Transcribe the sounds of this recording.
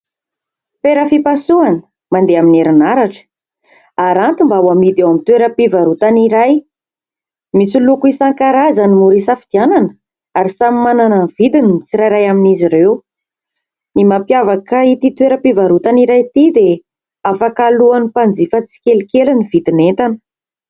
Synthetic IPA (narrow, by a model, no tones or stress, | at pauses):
peɾəfipasuanə̥ | mand̪eamineɾinaɾaʈ͡ʂə̥ | aɾant̪imbawamid̪ewamit̪weɾəpivaɾut̪aniɾaj | misulukuisaŋkaɾazanimuɾisafid̪̥iananə | aɾisamimanananv̥id̪inimit͡siɾajɾajaminiziɾew | nimapjavakəit̪it̪weɾəpivaɾut̪aniɾajt̪id̪e | afakaluanipand͡zifət͡si̥kʲelkʲelunivid̪inent̪anə̥